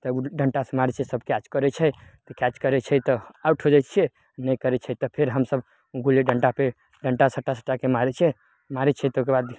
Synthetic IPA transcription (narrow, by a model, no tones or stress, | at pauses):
t̪ɔɖʱəɳʈasemaɾɛt͡ʃʰɛsəbʱkat͡ʃkəɾɛt͡ʃʰɛt̪ɔkat͡ʃkəɾɛt͡ʃʰɛt̪ɔauʈɦod͡ʒat͡ʃʰiɛ | nəjkəɾɛt͡ʃʰɛt̪ɔpʰeɾɦəmsəb | ɡʱuleɖʱəɳʈape | ɖʱəɳʈasəʈːasə̥ʈːakemaɾɛt͡ʃʰɛ | maɾɛt͡ʃʰɛt̪ukebad̪